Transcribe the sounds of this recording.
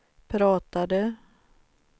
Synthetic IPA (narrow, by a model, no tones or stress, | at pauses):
pʰɾɑːt̪ad̪ə